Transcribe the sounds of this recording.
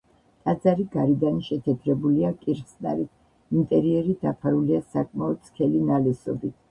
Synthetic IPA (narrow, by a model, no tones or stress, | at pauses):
t̪ʼad̪zaɾiɡaɾid̪anʃɛt̪ʰɛt̪ʰɾɛbuliakʼiɾχsna̰ɾit̪ʰ | int̪ʼɛɾiɛɾid̪apʰaɾuliasakʼmaɔt̪skʰɛlinalɛsɔbit̪ʰ